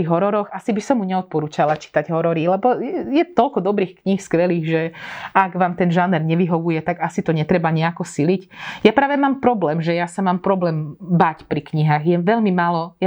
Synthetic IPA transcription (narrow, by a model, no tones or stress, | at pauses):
iɦɔɾɔɾɔɣasibisɔmːuɲɛɔt̪̚pɔɾuːt͡ʃalat͡ʃi̥t̪aɟɦɔɾɔɾilɛbɔjɛjɛt̪ɔlkɔd̪ɔbɾiːxkɲixskʋɛliːɣʒɛaɡʋaːmt̪ɛnʒanɛɾɲɛʋiɦɔʋujɛt̪aɡasit̪ɔɲɛt̪ɾɛbaɲɛakɔsilicjapɾaːʋɛmaːmpɾɔblɛːmʒɛjasamaːmpɾɔblɛːmbacpɾikɲiɦaːɣjɛʋɛʎmimaːlɔja